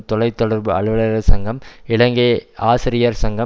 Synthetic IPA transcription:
t̪ɔlɐɪt̪ːɔɽɐɾbɯɐɭɯʋɐɭɐɾɐsɐŋɡɐmɪɭɐŋɡeːʔaːsɪɾɪjaːɾsɐŋɡɐ

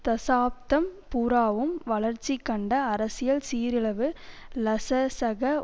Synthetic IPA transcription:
t̪ɐsaːp̚t̪ɐmpuːɾaːʋɯmʋɐɭɐɾt͡ʃːikːɐɳɖɐːɾɐsɪjɐlsiːɾɪɭɐʋɯ | lɐsɐsɐɣɐ

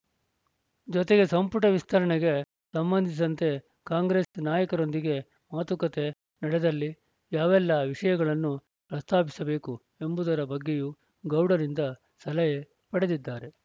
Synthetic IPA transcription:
d͡ʒɔt̪eɡe̞sɐmpuʈɐʋist̪ʰɐɾɐɳeɡe | sɐmbɐnd̪ʱis̬ɐnt̪e̞ | kaːŋɡɾe̞snaːjɐkɐɾo̞nd̪iɡe̞ | maːt̪ukɐt̪e̞ | nɐɽed̪ɐlːi | jaːʋɛlːɐʋiʂɐjɐɡɐɭɐnːu | pɾɐst̪ʰaːpisɐbe̞ːku | e̞mbud̪ɐɾɐbɐɡːeju | ɡɐwɽɐɾind̪ɐ | sɐlɐje | pɐɽed̪id̪ːaːɾe̞

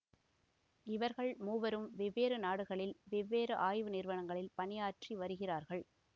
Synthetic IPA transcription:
ɪʋɐɾɣɐɭmuːʋɐɾɯmʋɪʋːeːɾɯnaːɽɯɣɐɭɪlʋɪʋːeːɾɯʔaːjʋɯnɪɾʋɐɳɐŋɡɐɭɪlpɐnɪjaːʈriʋɐɾɯɣɪraːɾɣɐɭ

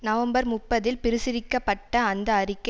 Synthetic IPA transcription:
nɐʋɐmbɐɾmʊpːɐðɪlpɪɾɪsɪɾɪkːɐpːɐʈːɐːnd̪ɐːrɪkːɐ

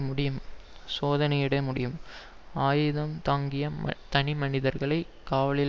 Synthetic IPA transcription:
mʊɽɪjɯmsoːðɐnɐɪɪɽɐmʊɽɪjɯm | aːjɪðɐmt̪aːŋɡɪjɐ̰t̪ɐnɪmɐnɪðɐɾɣɐɭɐɪ | kːaːʋɐɭɪl

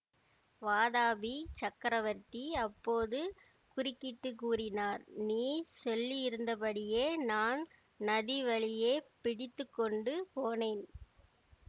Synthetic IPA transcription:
ʋaːðaːbit͡ʃɐkːɾɐʋɐɾt̪iɐpːoːðɯ | kʊrɪkːɪt̪ːɯkːuːrɪnaːɾniːsɔlːijɪɾɯnd̪ɐpɐɽɪjeːnaːn | nɐðiʋɐɭɪjeːpɪɽɪt̪ːɯkːɔɳɖɯpoːneːn

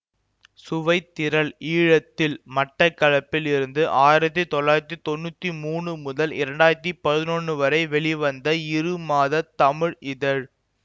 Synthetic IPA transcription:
sʊʋɐɪt̪ːɪɾɐɭiːɻɐt̪ːɪlmɐʈːɐkːɐɻɐpːɪlɪɾɯnd̪ɯʔaːjɪɾɐt̪̬ːit̪ɔlːaːjɪɾɐt̪̬ːit̪ɔnːut̪ːimuːɳɯmʊðɐlɪɾɐɳɖaːjɪɾɐt̪̬ːipɐðɪnɔɳːɯʋɐɾɐɪʋɛɭɪʋɐnd̪ɐɪɾɯmaːðɐt̪ɐmɪɻɪðɐɻ

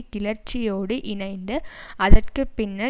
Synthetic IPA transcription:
kɪlɐɾt͡ʃːɪjoːɽɯʔɪnɐɪnd̪ɯɐðɐrkɯpɪnːɐ

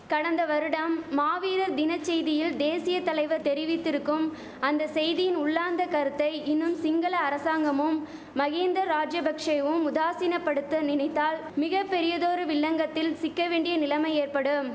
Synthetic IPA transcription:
kɐɽɐnd̪ɐʋɐɾɯɽɐmːaːʋiːɾɐɾd̪ɪnɐt͡ʃːɛjðɪjɪld̪eːsɪjɐt̪ɐlɐɪʋɐɾt̪ɛɾɪʋɪt̪ːɪɾɯkːɯm | ɐnd̪ɐsɛjðɪjɪnʊɭːaːnd̪ɐkɐɾɯt̪ːɐɪʔɪnːɯmsɪŋɡɐlɐːɾɐsaːŋɡɐmɯmː | ɐɣeːnd̪ɾɐɾːaːd͡ʒjɐbɐkʂɐɪʋɯmʊðaːsiːnɐpːɐɽɯt̪ːɯnɪnɐɪt̪ːaːl | mɪɣɐpːɛɾɪjɐðoːɾɯʋɪɭːɐŋɡɐt̪ːɪlsɪkːɐʋeːɳɖɪjɐnɪlɐmɐɪeːɾpɐɽɯm

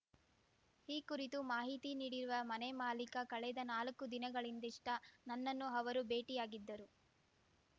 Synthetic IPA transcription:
hiːkuɾit̪umaːɦit̪iniːɽiɾuʋɐmɐnemaːlikɐkɐɭɛd̪ɐnaːlɐkːud̪inɐɡɐɭind̪iʂʈɐnɐnːɐnːuɦɐʋɐɾube̞ːʈijaːɡid̪ːɐɾu

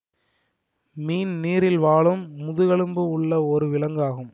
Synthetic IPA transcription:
miːnniːɾɪlʋaːɭɯmːʊðɯɣɐɭɯmbɯʊɭːɐɔɾɯʋɪlɐŋɡaːɣɯm

